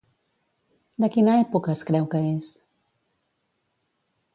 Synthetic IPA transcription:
d̪əkinaɛpukəskɾɛwkəes

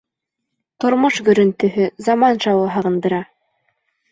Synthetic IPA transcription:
t̪ŏɾmoʃɡɵ̆ɾɵ̆nt̪ɵ̆ɦɵzɑmɑnʃɑwɤɦɑʁɤ̆nd̪ɤ̆ɾɑ

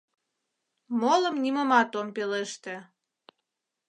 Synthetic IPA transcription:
moləmnʲimə̆mɑt̪ompeleʃt̪ĕ

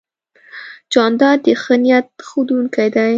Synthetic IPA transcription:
d͡ʒɑnd̪ɑd̪əxənijat̪̚xud̪uŋkajd̪aj

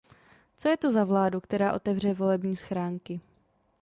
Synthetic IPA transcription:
t͡so̞jɛt̪ozavlaːdukt̪ɛɾaːʔo̞t̪ɛvr̝ɛvo̞lɛbɲiːsxɾaːŋkɪ

